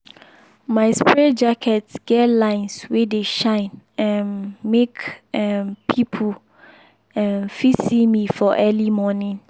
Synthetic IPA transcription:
mãɪspɹɛd͡ʒakʰɛtsɡ̥ɛtlãɪnswɛdeʃãɪ̃nɛnmekɛnpʰipʰu | ɛ̃nfisimifɔʔɛlimɔnĩn

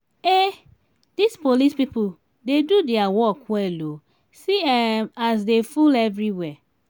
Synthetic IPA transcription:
e | d̥ispolispipul | dedudɛawɔkwɛlo | siɛmas̬defulɛvɹiwɛ

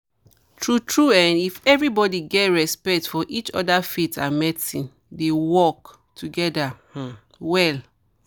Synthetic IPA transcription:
tʰɹutʰɹuãnifɛvɹibɔdiɡɛtɹɛspɛk̚tfɔʔit͡ʃɔ̰dafitã̰nmɛtĩn | dewɔk | tʰuɡɛdah̩ | wɛl

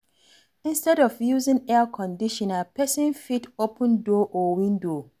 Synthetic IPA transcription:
ĩnstɛɾɔfjuzɪ̃ŋɛkʰɔ̃ndiʃɔ̃napɛsɪ̃nfitopʰə̃ndoʔɔwĩndo

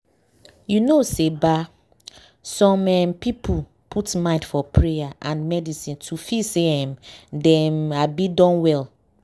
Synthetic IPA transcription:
junoseba | sɔ̃mɛmpipʰu | pʰutmãɪ̃ndfɔpʰɹejaʔãnmɛdisĩntʰufiseɛmdɛ̃mabidɔ̃nwɛl

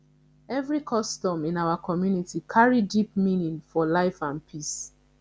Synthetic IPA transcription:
ɛvɹikʰɔstɔ̃mĩnaʊakʰɔmjunitikʰaɹidipmĩnĩnfɔlaɪfãnpʰis

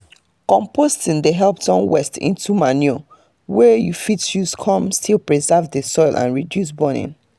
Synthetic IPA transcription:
kɔ̃mpʰostĩndeɦɛlˠp̚tɔ̃nwɛ̰stḭ̃ntumanio | wɛjufitʃuskʰɔ̃mstʰilˠpɹizɛvdəsɔɪlʔã̰nɹidjus̬bɔnḭ̃n

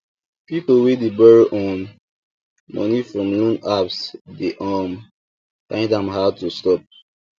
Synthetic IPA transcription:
pipolwidibɛɹɔ̃n | mɔ̰nifɹɔ̃mlũnapsdeʔam | fãɪ̃ndãmɦad̚tustɔp̚

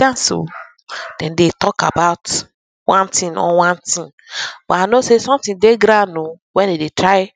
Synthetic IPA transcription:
dãnso̰ | d̥ɛ̃n̩detɔka̰baʊt | wãntĩnɔ̰wãntĩn | baanosesɔ̃mtĩndeɡɾano | wɛ̃nedetɾaɪ

